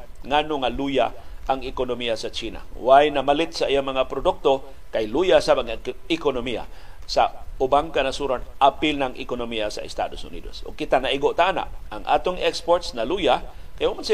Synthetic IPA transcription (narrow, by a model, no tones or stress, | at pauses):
ŋanʊŋaluja̰ʔaŋɪkonomiasat͡ʃina̰wajnamalɪt̪saʔijamaŋapɾodʊk̚t̪o | kajlujasabaŋɪkonomija̰saʊbaŋkanasuɾanʔapɪlnaŋʔɪ̰konomiasa̰ɪ̰st̪a̰dosʊ̰nḭdo̰sʔʊ̰ɡ̚kɪt̪anaʔiɡoʔt̪aʔana̰ʔaŋʔa̰t̪oŋɛkspoɾt̪snalujakajamansi